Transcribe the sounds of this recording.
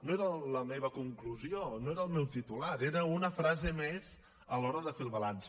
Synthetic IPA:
noeɾələmeβəkuŋkluzionoeɾəlˠmɛwt̪it̪ulaɾeɾəunəfɾazemez | əlɔɾəðəfelˠβalans

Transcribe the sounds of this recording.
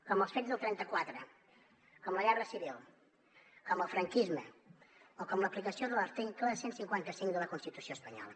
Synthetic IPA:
kɔməlˠsfed͡zðəlˠt̪ɾɛnt̪əkwat̪ɾə | kɔmləɣɛrəsiβilˠ | kɔməlˠfɾəŋkizmə | okɔmləplikəsioðələɾt̪eŋkləəsensiŋkwant̪əsiŋd̪ələkunst̪it̪usioəspəɲɔ̰lˠə

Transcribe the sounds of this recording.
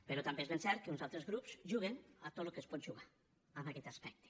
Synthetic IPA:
peɾot̪ambezβensɛɾt̪̚keunsalˠt̪ɾezɣɾupz̥ʒuɣ̞eŋat̪olokespot̪ʒuɣa | aβakɛt̪aspɛk̚t̪e̥

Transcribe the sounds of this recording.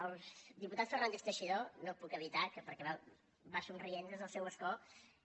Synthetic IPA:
əlˠzd̪iput̪at̪sfərnand̪efst̪əʃiðonopukəβit̪akəpəɾkɛβa | basunrienzezðəlˠsɛwəskɔ

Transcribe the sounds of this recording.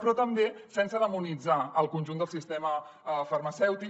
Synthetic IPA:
pɾɔt̪əmbesɛnsəðəmunid͡zaəlˠkunʲʒund̪əlˠsist̪ɛməfərməsɛwt̪i

